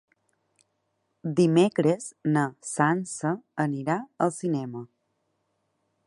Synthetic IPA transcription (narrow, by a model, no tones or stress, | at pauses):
d̪imekɾeznəsansəəniɾaəlˠsinɛmə